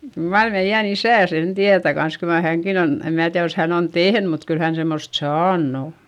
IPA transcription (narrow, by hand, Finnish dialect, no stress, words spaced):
kyl mɑr meij̆æn isæˑ sen tiætæ kɑns kyl mɑ hæŋkin on em mæː tiæð jos hæn on tehn mut kyl hæn semːost sɑːnː o